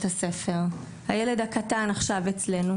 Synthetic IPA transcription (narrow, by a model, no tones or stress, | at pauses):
tase̞fe̞ʁ | hajele̞dakatanaχʃavet͡sle̞nu